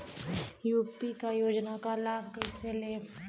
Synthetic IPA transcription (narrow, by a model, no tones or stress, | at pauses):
juːpikajoːd͡ʒnakalaːb̚kəɪseleː